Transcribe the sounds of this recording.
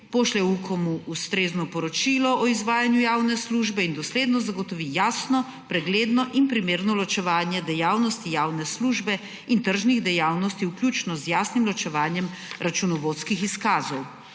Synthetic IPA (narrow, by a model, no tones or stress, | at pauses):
poʃlɛwukɔmuust̪ɾeːznɔpɔɾɔt͡ʃilɔʔɔizʋaːjanjujaːwnɛsluʒbɛind̪ɔsleːd̪nɔzaɡɔt̪ɔʋijaːsnɔ | pɾɛɡleːd̪nɔʔinpɾimeːɾnɔlɔt͡ʃɛʋaːnjɛd̪ɛjaːwnɔst̪ijaːwnɛsluːʒbɛ | int̪əɾʒniɣd̪ɛjaːwnɔst̪iwkljut͡ʃnɔzjaːsnimlɔt͡ʃɛʋaːnjɛm | ɾat͡ʃunɔʋot̪skixiskaːzɔw